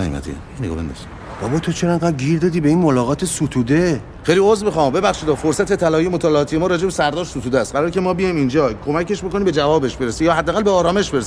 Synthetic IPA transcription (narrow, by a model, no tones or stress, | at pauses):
mæ̰d̪ḭæ̰ | neɡɒ̰ːbend̪ɔ̰z̥i | b̥ɒbɒːt̪ʰot͡ʃʰeɾænɡæɡiːɾd̪ɒːd̪iːbeinmolɒːɣɒːt̪ʰesut̪ʰuːd̪e | xejliozbexɒːmbe̞bæxʃid̪ɒːfoɾsæt̪e̞t̪ʰælɒːijemot̪ʰɒːleɒːt̪ʰije̞mɒːɾɒːd͡ʒebesæɾd̪ɒːɾʃsut̪ʰuːd̪eæst̪̚ɢæɾɒːɾekcʰe̞mɒːbijɒjmind͡ʒɒːkʰomæce̞ʃboko̞niːbe̞d͡ʒævɒːbe̞ʃbe̞ɾesijɒːhæd̪ːæːɣælbe̞ɒːɾɒːme̞ʃbe̞ɾesi